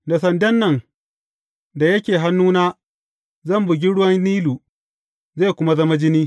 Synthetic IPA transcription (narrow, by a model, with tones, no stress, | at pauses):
da˨sɐ˨ndɛ˦nːɐ˨n | da˨jɐ˦kʲeː˨ɦa˦nːuː˦naː˦ | zɐ˦˨mbʊ˨ɡʲi˦ɽʊ˦wɐ˦nːiː˦luː˨ | ze˦˨kʷʊ˦ma˦zɐ˦ma˦d͡ʒɪ˦niː˦